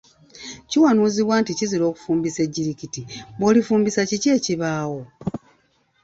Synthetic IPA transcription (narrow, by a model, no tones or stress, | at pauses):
ciwanuːziβwaːnticiziɾo̞ːku̥fuːmbise̞ɟːiɾikitiβolifuːmbisacice̞ːciβaːwo̞